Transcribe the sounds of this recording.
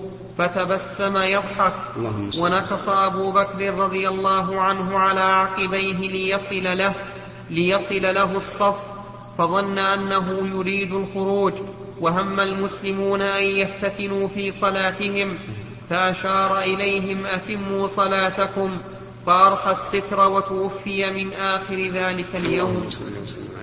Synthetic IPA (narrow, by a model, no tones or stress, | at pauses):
fat̪abasːamajɑd̪ˤħɑk̚ | wanɑkɑsˤɑʔabuːbakɾɪrːɑðˤɨjalˤːɑːɦʊʕanɦʊʕalaːʕɑqɨbajɦɪlɪah | lɪjɑsˤɨlalaɦʊsˤːɑfː | fɑðˤɑnːaʔanːaɦʊjʊɾiːd̪ʊlxʊɾuːd͡ʒ | waɦamːalmʊslɪmuːnaʔanjaft̪at̪ɪnuːfiːsˤɑlaːt̪ɪhɪm | faʔaʃɑːɾˤɑʔɪlajɦɪmʔat̪ɪmːuːsˤɑlaːt̪akʊm | faʔɑɾˤħasːɪt̪ɾˤɑwat̪ʊwafːɪjamɪnʔaːxɪɾɪðaːlɪkaljawm